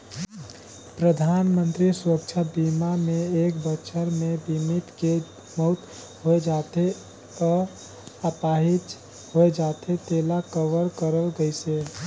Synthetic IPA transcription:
pɾəd̪ʱaːnmənt̪ɾisɾəkt͡ʃʰəbimamẽeːkbətːʃʰəɾmebʱimit̪ke | mɔt̪ | ɦoed͡ʒaːt̪e | ɔː | əpaːɦit̪ | ɦoed͡ʒat̪ʰet̪eːlakəʋəɾkəɾəlɡəjse

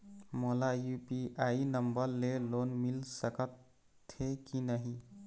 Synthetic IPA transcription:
molajupiʔainəmbəɾlelonmilsəkət̪ʰː | ekinəɦi

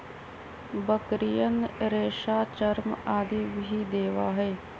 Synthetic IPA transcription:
bəkɾijənɾeːʃaːt͡ʃəɾmaːd̪iːbɦiːd̪eːʋaːɦɛː

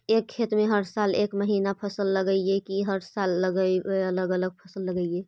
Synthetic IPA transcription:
ekʰːet̪mẽɦəɾsalḛːkməɦiːnapʰəsəlːəɡəiekiɦəɾsalːəɡəeələɡələɡ̚pʰəsəlːəɡəie

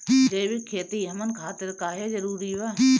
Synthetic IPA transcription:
d͡ʒeːbikʰːeːt̪iɦɐmənkʰaːt̪eɾkaːɦed͡ʒɐɾuːɾiʋa

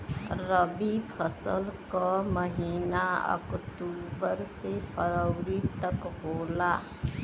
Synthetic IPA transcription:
ɾəbipʰəsəlkaməɦiːnaə̰kʈuːbəɾsepʰəɾəʊɾit̪əkɦoːlaː

